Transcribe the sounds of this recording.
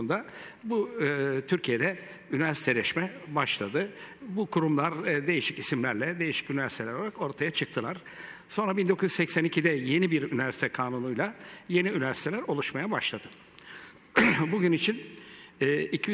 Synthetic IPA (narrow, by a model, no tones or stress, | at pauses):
nd̪abut̪ʰyɾcʰije̞d̪ɛ | ynyvæɾsi̥t̪ʰɛlʲɛʃmɛbaʃlˠad̪ɯbukʰuɾumlˠaɾd̪e̞jiʃicisimlʲæɾlʲɛd̪e̞jiʃi̥cynyvæɾsit̪ʰelʲæɾoaɾako̞ɾt̪ʰajat͡ʃʰɯk̚t̪ʰɯlˠaɾ̥ | so̞nɾabind̪o̞kʰuzyzsɛcsænicʰid̪ɛje̞nibiɾynyvæɾsi̥t̪ʰɛkʰaːnunujlˠaje̞niynyvæɾsit̪ʰelʲæɾo̞lˠuʃmajabaʃlˠad̪ɯ̥ | buɟynit͡ʃʰinː | icʰi